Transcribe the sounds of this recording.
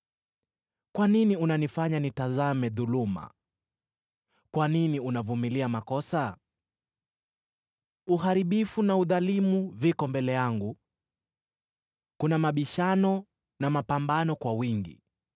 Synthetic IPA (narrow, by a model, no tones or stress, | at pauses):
kwaniniunanifaɲanitazamɛðuluma̰ | kwaniniunavumiliamakɔsa | uhaɾiɓifunauðalimuvikɔmbɛlɛjaŋɡu | kunamaɓiʃanɔ | namapambanɔkwawiŋɡḭ